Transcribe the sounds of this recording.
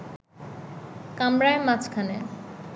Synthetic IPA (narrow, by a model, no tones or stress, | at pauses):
kamɾaemat͡ɕkʰane